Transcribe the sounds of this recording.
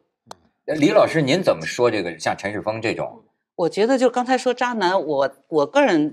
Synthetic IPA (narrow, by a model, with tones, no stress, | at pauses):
n̩˥˩˥ | li˧˥lɑ˨˩ʊʂɻ̩˥ni˧˥nt͡sə˨˩nmə˦ʂwɔ˥ʈ͡ʂɤ˥˩ɡə˩ɕjɑ˥˩ŋʈ͡ʂʰə˧˥nʂɻ̩˥˩fɤ˥ŋʈ͡ʂɤ˥˩ʈ͡ʂʊ̰˨˩˦ŋ | wɔ˨˩t͡ɕɥɛ˧˥d̪ə˧t͡ɕjo˥˩ʊkɑ˥ŋt͡sʰɪʂwɔ˥ʈ͡ʂa˥na˧˥nwɔ˨˩˦wɔ˨˩kɤ˥˩ɻə˧˥n